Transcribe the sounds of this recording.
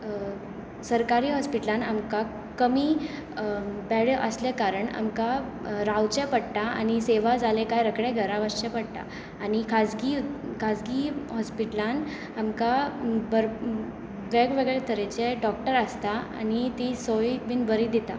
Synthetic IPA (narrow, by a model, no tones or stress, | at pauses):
səɾkaɾiːɦɔspiʈlãnamka | kəmi | pɛɭeʔəslekaɾəɳa̰mka | ɾawt͡ɕɛpəɽt̪aa̰ñiseʋad͡zalekajɾəkɽɛɡʱəɾaʋəst͡ɕɛpəɽt̪a̰ː | ñikʰad͡zɡikʰad͡zɡiɦɔspiʈlan | amkabəɾ | ʋeɡʋeɡɭet̪ʰəɾet͡ɕeɖɔk̚ʈəɾəst̪aa̰nit̪isojʋiːnbəɾid̪it̪a̰